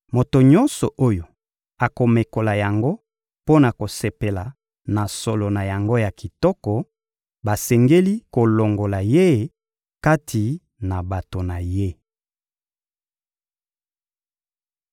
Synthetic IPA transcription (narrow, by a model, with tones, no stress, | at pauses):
mo˨to˨ɲɔ̃˦nsɔ˨ʔo˦jo˨ | a˨ko˨me˨ko˨la˨ja˨ŋɡo˦ | po˦na˨ko˨se˨pe˨la˨ | na˨so˨lo˨na˨ja˨ŋɡo˦ja˨ki˨tɔ˦kɔ˨ | ba˨sɛ˨ŋɡe˦li˦ko˨lo˨ŋɡo˨la˨je˦ | ka˦tʰi˨ | na˨ba˨to˨na˨je˦